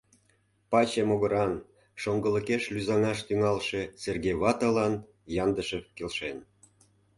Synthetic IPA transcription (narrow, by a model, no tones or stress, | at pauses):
pɑt͡ɕemoɣə̆ɾɑn | ʃoŋɡə̆ləkeʃlyzɑŋɑʃt̪yŋɑlʃe̽serɣeβɑt̪ɑlɑn | jɑnd̪əʃəkelʃen